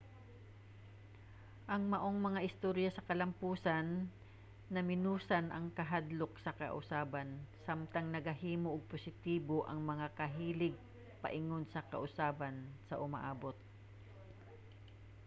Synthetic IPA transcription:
ʔɐŋmɐʔo̞ŋmɐŋaʔɪst̪oɾjɐsɐkɐlɐmpuːsɐnː | ɐmɪnuːsɐnʔɐŋkɐɦad̪lok̚sɐkɐ̰ʔʊ̰saːbɐnsamt̪ɐŋnɐɡɐhiːmoʔːɡ̚posɪt̪iːboʔɐŋmɐŋakɐɦiːlɪɡ̚ | pɐ̰ʔɪŋo̞nsɐkɐ̰ʔʊsaːbɐnsɐʔʊmɐ̰ʔaːbo̞t̪̚

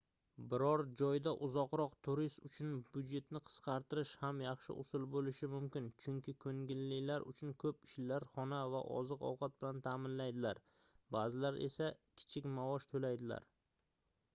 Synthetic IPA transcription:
bɪɾɒɾd͡ʒɒjd̪aʔʊzɒqɾɒqt̪ʰʊɾɪst̪ʊt͡ʃʰʊnbʊd̪d͡ʒe̞t̪nɪqʰɨ̥sqʰɑɾt̪ɪɾɪʃhamjɑχʃɪ̰ʔʊ̰sɪlbolɪʃɪmʊmkʲɪnt͡ʃʰʊŋkʲɪkʰɵŋɡʲɪlːɪlaɾʊ̰t͡ʃʰʊnkʰɵpɪʃlaɾχɒnava̰ʔɒ̰zɨqɒ̰wqʰɑt̪̚bɪlant̪ʰaːmɪnlajd̪ɪlaɾ | baːzɪlaɾe̞̰sakʲʰɪ̥t͡ʃʰɪkʲmavɒʃt̪ʰolajd̪ɪla̰ɾ

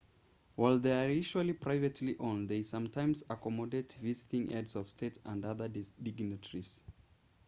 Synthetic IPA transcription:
waɪlˠðeɪəɹiʃuəlˠipʰɹ̥aɪvɨtliʔõnðeɪsʌ̃mtʰãɪ̃mzəkɔmɔdetvizɪtɪ̃ŋʔɛdzɔv̥stʰeɪtə̃ndʌðə˞dɪɡnɨtʰəɹiz̥

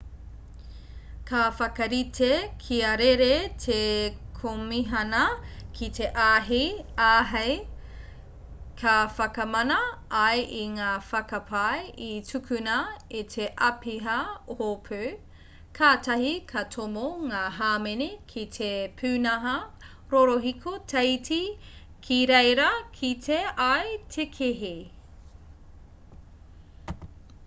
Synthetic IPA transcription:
kʰɐfɐkɐɾitʰekʰiɐɾeɾetʰekʰomiɦɐnɐkʰit̪ʰeʔaɦiaːɦɐj | kʰɐfɐkɐmɐnɐːjʔiŋaːfɐkɐpʰajitʰʉkʰʉnɐitʰeʔɐpiɦɐohopʰʉ | kʰaːtʰɐɦikʰɐtʰomoŋaːɦaːmenikʰitʰepʰʉːnɐɦɐ | ɾoɾoɦikʰotʰejti | kʰiɾejɾɐkʰitʰeajtʰekʰeɦi

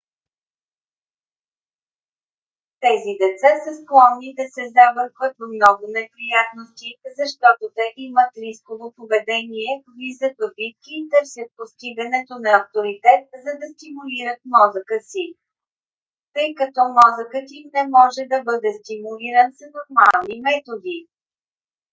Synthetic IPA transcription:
t̪ɛzid̪ɛt̪sasɐsklˠɔnːid̪ɐsɛzabəɾkvət̪vmnɔɡʊnɛpɾijat̪̚nost̪ʲizɐʃt̪ɔt̪ot̪ɛʔimət̪ɾiskovopovɛd̪ɛniɛvizəpəbit̪kiːt̪ɤɾsʲjət̪̚post̪iɡɐnɛt̪onɐːft̪oɾit̪ɛt̪̚zɐd̪ɐst̪imuliɾət̪̚mɔzəkəsi | t̪ɤjkɐt̪ɔmɔzəkət̪imnɛmɔʒɛd̪ɐbɤd̪ɛst̪imuliɾənsɐnoɾmalˠnimɛt̪od̪i

